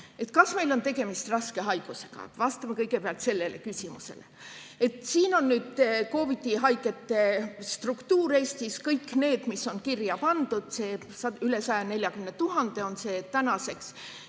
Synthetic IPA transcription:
e̞t̪ˑkɑsme̞jlo̞nt̪e̞ɡe̞mist̪rɑske̞ɦɑjɡ̥use̞̥ɡ̥ɑ̰vɑst̪ɑmɑkɤjɡe̞peɑlt̪se̞lːe̞le̞̰kysʲimuse̞̰lḛe̞t̪ːˑsiːno̞nːyːd̪ko̞ːvid̪̥iɦɑjke̞t̪ːˑe̞st̪rukt̪uːɾe̞ːst̪iskɤjkːne̞ːd̪̥misːo̞nkirjɑpɑnd̪̥ud̪̥se̞ː | sɑyle̞sɑjɑne̞lʲjɑkymnet̪uɦɑnd̪̥e̞o̞nse̞ːt̪ænɑse̞ks

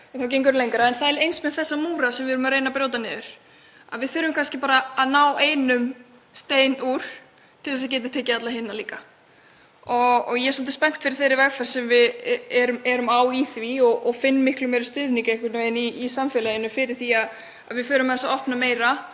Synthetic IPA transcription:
ɛnθawcejŋk̬ʏɾlejŋkaɾaɛnθaðɛɾejnsmɛðθɛsːamuːɾasɛmvɪðɛɾʏmaɾeːjnapɾjoːwt̪anɛʏɾ̥ | a̰ðvɪðθʏːɾʏmkʰanscɪpaːɾaːðnaːwʔeːjnʏm | st̪eːjnuɾ̥ | t̪ʰɪlθɛsacɛːt̪ɪt̪ʰɛːcɪat̪laɦɪnːaliːka | ɔɔɣjɛsɔlt̪ɪ̥spɛn̥t̪fɪɾɪ̥ɾ̥θejɾɪɾvɛɣfɛr̥sɛmvɪðɛɾʏmɛɾʏmaːwiθviɔɣʔɔfɪnːmɪhklʏmɛːɾʏst̪ʏðniŋcɪɛhkvɪt̪nʏvejniːsamfɛlaenʏfɪɾɪɾ̥θiað | a̰ðvɪfʏːɾʏmːɛθɛsaɔhpnameːjɾa

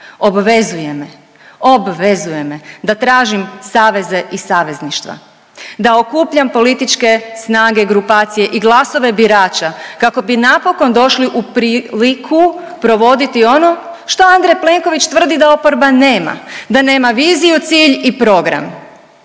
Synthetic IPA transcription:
o̞bʋe̞zuje̞me | obʋe̞zuje̞med̪at̪ɾaːʒimsaːʋe̞zeisaːʋe̞zniʃt̪ʋa̰ | d̪aokuːpʎampo̞lit̪it͡ʃke̞snaːɡeɡɾupaːt̪sije̞ʔiɡlˠaso̞ʋe̞biɾaːt͡ʃakako̞binapo̞ko̞nd̪o̞ʃliʔupɾiːlikʰu | pɾo̞ʋo̞d̪it̪io̞no̞ʃt̪o̞and̪ɾeple̞ŋkoʋit͡ʃt̪ʋr̩d̪id̪ao̞po̞ɾbane̞ːma̰d̪ane̞ːmaʋiːzijut̪siːʎipɾo̞ɡɾa̰m

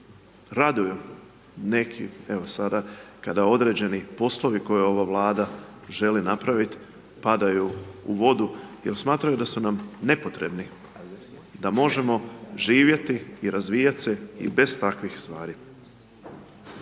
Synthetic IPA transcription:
ɾad̪uju | ne̞kʰḭe̞ʋosad̪akad̪ao̞d̪ɾe̞ːd͡ʑe̞nipo̞slˠo̞ʋiko̞juo̞ʋaʋlˠaːd̪a | ʒe̞linapɾaʋit̪ | pad̪ajuuʋo̞d̪uje̞lˠsmaːt̪ɾajud̪asunamne̞pot̪ɾe̞bni | d̪amo̞ʒe̞mo̞ʒiːʋje̞t̪iːɾazʋiːjat̪se̞ḭbe̞z̥t̪akʋixst̪ʋaːɾi

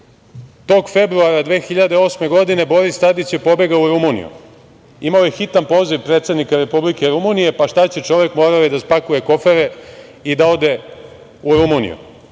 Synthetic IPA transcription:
t̪o̞ɡfe̞bɾuaɾad̪ʋe̞ːxiʎad̪eo̞sme̞ɡo̞d̪ine̞bo̞ɾist̪ad̪it͡ɕjepo̞be̞ɡauɾumunḭjṵ | imaojexit̪anpo̞ːziʋpɾet̪sed̪nikaɾe̞publikeɾumunije̞paʃt̪at͡ɕet͡ʂo̞ʋe̞kmoːɾaʋid̪aspakuje̞ko̞feɾeid̪ao̞d̪e̞ | uɾumunḭjṵ

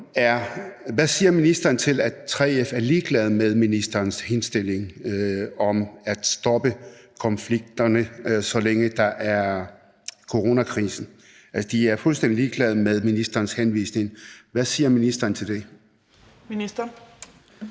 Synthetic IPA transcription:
æɐʋæsiːɐminisd̥ɐːn̩t͡sʰe̝læt͡sʰʁɛ̰ːefæɐliːɡ̥lɛð̞̩ˠmeð̞ˠminisd̥ɐːnshe̝nsd̥e̝l̰e̝ŋ | ɒ̽mæd̥sd̥ɒ̽b̥əkʰɒ̽nfliɡ̥̚d̥ɐnəsɒ̽leŋəd̥ɑ̈ʔæɐ | kʰo̝ʁo̝ːnækʰʁḭːsn̩ | ælsəd̥iæɐfulsd̥en̰d̥iliːɡ̥lɛðˠmeð̞ˠminisd̥ɐːnshenʋḭːsne̝ŋʋæsiːɐminisd̥ɐːn̩t͡sʰe̝ld̥e̝ | minisɐ

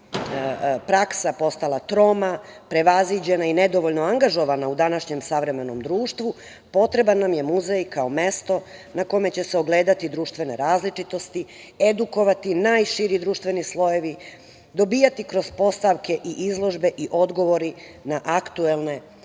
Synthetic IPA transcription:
pɾaksapo̞st̪alat̪ɾo̞ːmapɾe̞ʋazʋid͡ʑe̞nained̪o̞ʋo̞ʎnoaŋɡaʒo̞ʋanaud̪anaʃɲe̞msaʋɾe̞me̞no̞̰md̪ɾuːʃt̪ʋu | po̞t̪ɾe̞banːamje̞muzejkaome̞st̪o̞nako̞me̞t͡ɕe̞seoɡle̞ːd̪at̪id̪ɾuːʃt̪ʋe̞ne̞ɾaːzlit͡ʃit̪o̞st̪i | ed̪uko̞ʋat̪inaːjʃiɾid̪ɾuːʃt̪ʋe̞nislˠo̞je̞ʋi | d̪o̞biːjat̪ikɾo̞z̥po̞st̪aʋke̞ʔiʔizlˠo̞ʒbe̞ʔiʔo̞d̪ɡo̞ʋo̞ɾi | naʔakt̪uelˠne̞

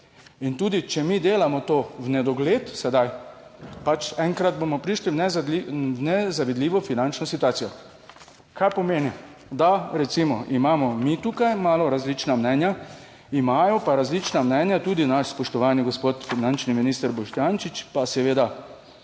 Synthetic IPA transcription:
int̪uːd̪it͡ʃɛmid̪eːlamɔt̪oːwnɛd̪ɔɡleːt̪sɛd̪aj | pat͡ʃɛŋkɾad̪̚boːmɔpɾiːʃliwnɛiwnɛzaʋid̪liːʋɔfinant͡ʃnɔsit̪uaːt̪sijɔ | kajpɔmeːni | d̪aɾɛt̪simɔʔimaːmɔmit̪ukajmaːlɔɾazlit͡ʃnamnɛnja | imajɔpaɾazlit͡ʃnamnɛnjat̪uːd̪inaʃspɔʃt̪ɔʋaːniɡɔspoːt̪finant͡ʃniminist̪əɾbɔʃt̪jant͡ʃit͡ʃpasɛʋeːd̪a

